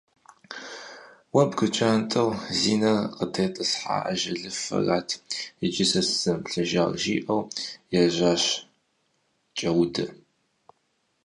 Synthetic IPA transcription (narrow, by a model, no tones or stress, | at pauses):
wɐbɡɨt͡ʃʼaːntʼɐwziːnɐqətʰeːtʼɐsħa̰ːʔɐʒɐɮɨfɐ̰raːtʰɪd͡ʒʼɪsɐsz̥ɐmpɬɐʒaːʁʒḭːʔɐwjɛʑaːɕ | t͡ʃʼɐwʊdɐ